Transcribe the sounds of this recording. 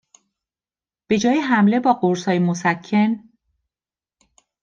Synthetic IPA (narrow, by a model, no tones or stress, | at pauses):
b̥e̞d͡ʒɒːjeɦæmle̞bɒːɢoɾsɒːjemosæcʰːe̞n